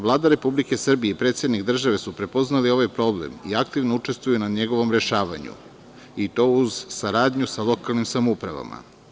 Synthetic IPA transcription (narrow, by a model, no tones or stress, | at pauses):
ʋlˠaːd̪aɾe̞publike̞sr̩bijeipɾet̪sjed̪nikd̪r̩ʒaʋe̞supɾe̞po̞znalio̞ʋajpɾo̞blḛmḭak̚t̪iʋnout͡ʃe̞st̪vujunaɲe̞ɡo̞ʋo̞mɾe̞ʃaːʋa̰ɲṵ | it̪o̞ːuz̥saɾaːd̪ɲusalo̞kalˠnimsamupɾaʋa̰ma̰